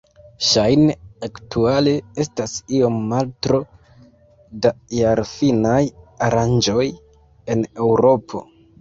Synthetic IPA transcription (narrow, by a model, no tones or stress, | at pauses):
ʃajneaktʰuale̞e̞stasio̞mːaltɾo̞ | dajaɾfinajaɾand͡ʒo̞j | e̞ne̞wɾo̞pʰo̞̰